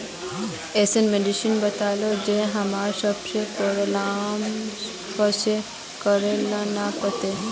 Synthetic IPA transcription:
eːsenmeɖɪʃənbət̪aːlod͡ʒẽɦɐmaːɾsəbsepoɾlam | kəse | kəɾelãnapət̪e

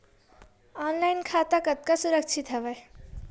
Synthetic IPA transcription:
aːnlajnkʰaːt̪akɐt̪̚kasuɾəkt͡ʃʰit̪ɦɛʋɛ

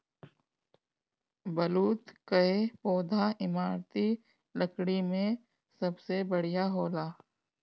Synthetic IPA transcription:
bəluːt̪kəepoːd̪ʱaɪmaːɾt̪i | ləkɽimẽ | sɐbsebəɽ̤ijaɦoːlaː

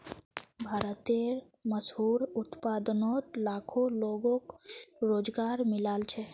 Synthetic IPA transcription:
bʱaːɾət̪eɾ | məsɦuɾut̪pad̪nɔt̪lakʰoloɡõkɾoːd͡ʒɡaɾmilaːlt͡ʃʰɛ

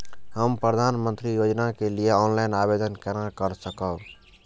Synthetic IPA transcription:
ɦəmpɾəd̪ʱaːnmə̃nt̪ɾijoːd͡ʒnakelieɔːnlaɪnaːbeːd̪ənkɛɾakəɾsəkə

